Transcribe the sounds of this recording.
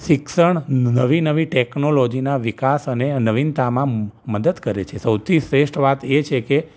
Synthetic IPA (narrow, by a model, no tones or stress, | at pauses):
ʃɪksəɳnəʋinəʋiʈeknolod͡ʒinaʋikasənenəʋint̪amãməd̪əd̪kəɾet͡ʃʰesəwt̪ʰisɾeʃʈʋat̪et͡ʃʰeke